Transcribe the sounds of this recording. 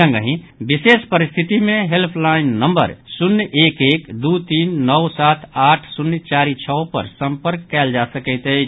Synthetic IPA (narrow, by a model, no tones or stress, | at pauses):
ə̃ŋɡəɦĩ | bisespəɾist̪ʰit̪imẽɦelpʰlaɪnːəmbə̰ɾsunːjʔekekd̪ut̪iːnːɔwsat̪ʰaʈʰsunːjt͡ʃaɾit͡ʃʰɔpə̰ɾsə̃mpəɾkːɛld͡ʒasəkəɪt̪əɪt͡ʃʰ